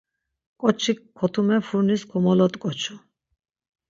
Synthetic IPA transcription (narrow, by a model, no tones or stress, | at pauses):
kʼɔt͡ʃʰikʰːɔt̪ʰumɛfʰuɾniskʰɔmɔlɔt̪ʼkʼɔt͡ʃʰu